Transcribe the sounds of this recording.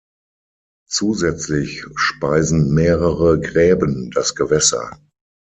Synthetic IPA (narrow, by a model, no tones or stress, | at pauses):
t͡suːzɛt͡slɪçʃpaɪzn̩meːʁəʁəɡʁɛːbəndasɡ̥əvɛsɐ̰